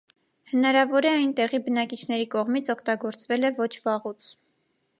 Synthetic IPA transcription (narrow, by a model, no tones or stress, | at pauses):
hənɑɾɑvɔɾɛɑjnt̪ɛʁibənɑkit͡ʃʰn̪ɛɾikɔʁmit͡sʰɔkʰt̪ɑɡɔɾt͡svɛlɛvɔt͡ʃʰvɑʁut͡sʰ